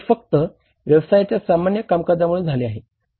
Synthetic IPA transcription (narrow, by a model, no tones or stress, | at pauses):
fək̚t̪ə | ʋjəʋsajat͡ɕjasamanjəkamkəd͡zamuɭuːnd͡zʱaleaɦe